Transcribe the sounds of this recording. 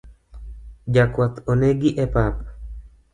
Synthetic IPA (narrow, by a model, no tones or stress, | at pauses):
jakʷat̪oneɡiʔepap